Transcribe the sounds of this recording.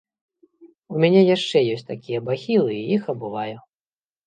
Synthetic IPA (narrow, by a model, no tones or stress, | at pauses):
umʲanʲɛjaʂt͡ʂɛjɔsʲtʲt̪akʲijɐbaxʲilˠɨːjixɐbɨvaju